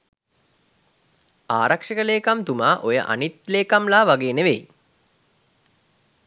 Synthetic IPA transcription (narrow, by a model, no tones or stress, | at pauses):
aːɾakʂəkəleːkamt̪umaːʔojə̰ʔa̰nit̪leːkamlaːʋaɡeːneʋej